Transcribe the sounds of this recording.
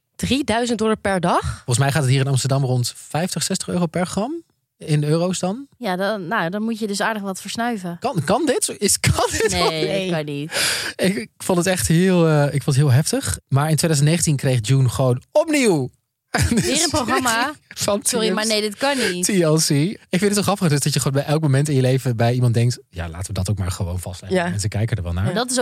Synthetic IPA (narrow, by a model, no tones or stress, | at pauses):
d̥ridœɥzəntdɔləɹpɛɹdɑχɔlˠəsmɛjχaːtətɦiːɹɪnɑmstəɹdɑmrɔntfɛjftəχsɛstəχøːrowpɛɹχrɑm | ɪnøːrowsdɑnjadnadɔnmutjədɵsaːɹdəχʋɑtfəɹsnœɥvəkɑnkɑndɪtɪskʰɑnɪkɑnitɪkkfɔntətɛχtɦɪlˠəɪkfɔ̃ndətɦɪːlˠɦɛftəχmaːɹɪntʰʋejdœzntnejχəntinkrejχd͡ʒunχəʋownɔpniw | dirəproxɑmafɑnɔɾimaɹnejdɪtkɑnitiɔsiɪkfɪntətːɔχɑfədøsdɑtjəχəʋoːnbɛjʔɛlˠkmomɛntɪnjəlejvəbɛjimɑndɛŋk̚tja̰ːla̰ːtəʋədɑtowk̚ma̰ːɹχəʋo̰wnv̥ɑstlɛmɛnsəkɛjkədəɹʋɛ̰lˠnaːmadtɪs̬